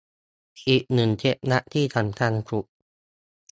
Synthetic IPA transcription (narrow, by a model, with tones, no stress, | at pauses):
ʔiː˨˩k̚nɯ˨˩ŋt͡ɕʰe˦˥p̚na˦˥ʔt̪ʰiː˥˩t̪ʰa˨˩˦mk̪ʰa˧nkʰɾu˨˩ʔ̚